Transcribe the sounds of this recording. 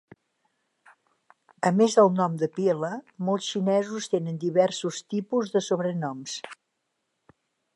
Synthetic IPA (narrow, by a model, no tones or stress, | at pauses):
əmezðəlˠnɔmd̪əpieləmɔlˠsʃinɛzust̪enənd̪iβɛrsust̪ipuzðəsoβɾənɔms